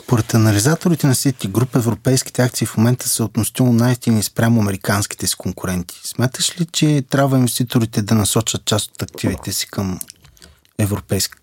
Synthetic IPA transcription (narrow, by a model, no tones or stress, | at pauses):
spoɾɛt̪ɐnɐlizat̪oɾit̪ɛnɐfsit̪kiɡɾupɛvɾopɛjskʲi̥t̪ɛakt̪siːfmomɛnt̪ə̥sɛot̪noʃt̪ilˠonajst̪inispɾʲamʊɐmɛɾikansk̟i̥t̪ɛsi̥koŋkuɾɛnt̪i̥smʲat̪əʃlit͡ʃɛt̪ɾʲabvəinvɛst̪it̪oɾit̪ɛd̪ɐnɐsɔt͡ʃət̪̚t͡ʃast̪o̥t̪ɐk̚t̪ivit̪ɛsi̥kɤm | ɛvɾopɛjsk